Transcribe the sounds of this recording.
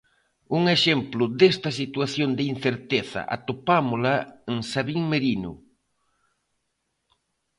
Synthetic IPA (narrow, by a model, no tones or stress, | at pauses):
uŋeʃemplʊd̪est̪ɐsit̪waθjond̪ɪinθeɾt̪eθa̰ʔa̰t̪opamʊlaeŋsaβiŋmeɾinʊ̰